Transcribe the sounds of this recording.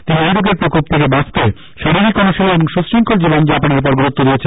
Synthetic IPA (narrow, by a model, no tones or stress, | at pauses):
t̪iniojɾoɡeɾpɾokop̚t̪ʰekebast̪e | ʃaɾiɾikɔnoʃelieboŋʃusɾiŋkʰold͡ʑibond͡ʑapaneɾp̬ɔɾɡɾut̪ːod̪ijet͡ɕʰen